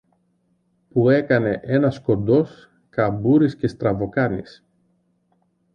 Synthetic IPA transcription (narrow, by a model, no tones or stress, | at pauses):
pue̞kɐne̞ʔe̞nɐsko̞nd̪o̞s | kɐbuɾisce̞st̪ɾɐvo̞kɐnis